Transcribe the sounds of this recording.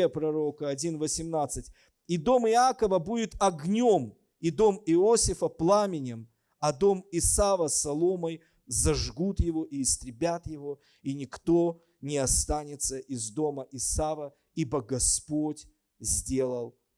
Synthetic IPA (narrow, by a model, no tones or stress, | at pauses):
əpɾɐɾo̞kəɐdʲinvəsʲɪmnat̪sɨtʲ | id̪o̞mɪakəvəbudʲɪt̪ɐɡnʲo̞m | id̪o̞mɪosʲɪfəplˠamʲɪnʲɪm | ɐd̪o̞mɪsavəsɐlˠoməj | zɐʐɡut̪jɪvo̞ʔiːst̪ɾʲɪbʲat̪jɪvo̞ | inʲɪkt̪o̞ | nʲɪɐst̪anʲɪt̪səʔɪzd̪o̞məʔɪsavə | ibəɡɐspotʲ | zʲdʲe̞lˠəlˠ